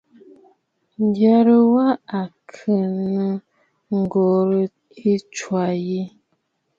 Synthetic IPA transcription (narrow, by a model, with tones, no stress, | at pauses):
n˦dja˨ɾə˦wa˦a˨kʰə˨nə˦ | ŋ̩˦˨ɡo˨ɾə˦ | i˦t͡ʃwa˨ji˦